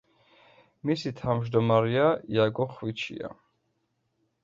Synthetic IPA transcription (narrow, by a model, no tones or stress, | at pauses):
misit̪ʰamʒd̪ɔmaɾɛaiaɡɔχwit͡ʃʰḭa̰